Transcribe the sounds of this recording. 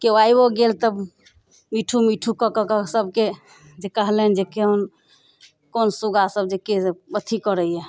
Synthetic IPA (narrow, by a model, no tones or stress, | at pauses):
keaiboɡelt̪əb | miʈʰumiʈʰukəkəkəsəbʱke | d͡ʒekəɦlend͡ʒekeon | konsuɡasəbd͡ʒekebət̪ʰikəɾəiɛ